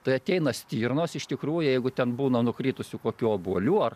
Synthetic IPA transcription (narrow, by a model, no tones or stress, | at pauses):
t̪ɐɪɐt̪ʲɛɪnɐsʲt̪ʲiːrnoːsɪʃt̪ʲɪkɾuːjʊjɛɪɡʊt̪ʲɛnbuːnɐnʊkrʲiːt̪ʊsʲʊkoːkʲuːobuɔlʲuːɐr